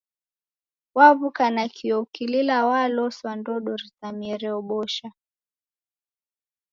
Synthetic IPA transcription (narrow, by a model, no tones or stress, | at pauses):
waβukanakʰiɔukililawalɔswandɔɗɔɾitamiɛɾɛɔɓɔʃa